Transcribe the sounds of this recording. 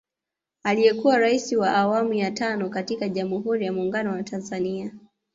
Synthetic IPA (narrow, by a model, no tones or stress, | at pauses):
alijɛkuwaɾaisiwaʔawamujatanɔkatikaʄamuɦuɾijamuːŋɡanɔwatʰanzania